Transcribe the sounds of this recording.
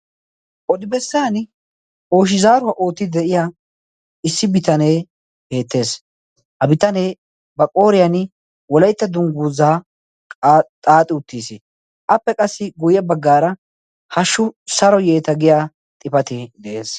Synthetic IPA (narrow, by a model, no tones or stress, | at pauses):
ʔɔd̪ɪbɛsːɐjɐn | o̞ːʃɪzaːɾʊwɐʔo̞ːt̪ːɪd̪ɛʔɪja | ɪsːɪbɪt̪ɐneː | he̞ːt̪ːe̞ːs | hɐbɪt̪ɐne̞ː | bɐkʼo̞ːɾɪjɐn | wɔlɐjt̪ːɐd̪ʊŋɡuːzaː | t̪ʼaːt̪ʼɪʊt̪ːiːsɪ | ʔɐpːɛkʼɐsːɪɡʊjɐbɐɡːaːɾɐ | hɐʃːʊsɐɾɔje̞ːt̪ɐɡɪjaː | t̪ʼɪpɐt̪ɪd̪ɛʔeːs